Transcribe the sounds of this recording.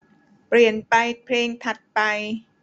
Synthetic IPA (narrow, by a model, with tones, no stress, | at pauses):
pɾi˨˩ənpa˧jpʰleː˧ŋt̪ʰa˨˧˩t̪̚pa˧j